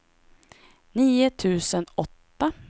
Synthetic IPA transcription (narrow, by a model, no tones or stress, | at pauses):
niːʊt̪ʰʉ̟ːsənɔt̪ːa